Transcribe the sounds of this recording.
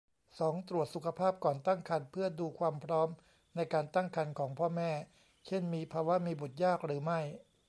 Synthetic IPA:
sɔː˩˦ŋt̪ɾu˨˩ət̪̚su˨˩kʰa˧pʰaː˥˩p̚kɔː˨˩nt̪a˥˩ŋkʰa˧npʰɯ˥˩ɐduː˧kʰwaː˧mpʰɾɔː˦˥m | na˧jkaː˧nt̪a˥˩ŋkʰa˧nkʰɔː˩˦ŋpʰɔː˥˩mɛː˥˩ | t͡ɕʰe˥˩nmiː˧pʰaː˧wa˦˥miː˧bu˨˩t̪̚jaː˥˩k̚ɾɯː˩˦ma˥˩j

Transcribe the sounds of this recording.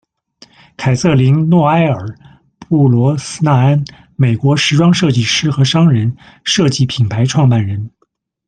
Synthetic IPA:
kʰa˨˩ɪsɤ˥˩li˧˥ŋnwɔ˥˩a˥ɪə˞˨˩˦ | pu˥˩lwɔ˧˥s̩˥na˥˩a˥n | me˨˩ɪkwɔ˧˥ʂɻ̩˧˥ʈ͡ʂwɑ˥ŋʂɤ˥˧t͡ɕi˥˩ʂɻ̩˥xɤ˧˥ʂɑ˥ŋɻə˧˥n | ʂɤ˥˧t͡ɕi˥˩pʰi˨˩npʰa˧˥ɪʈ͡ʂʰwɑ˥˧ŋpa˥˩nɻə˧˥n

